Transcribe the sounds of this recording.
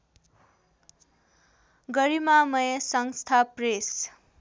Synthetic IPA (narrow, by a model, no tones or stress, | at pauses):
ɡʌɾimamʌjʌsʌŋst̪ʰapres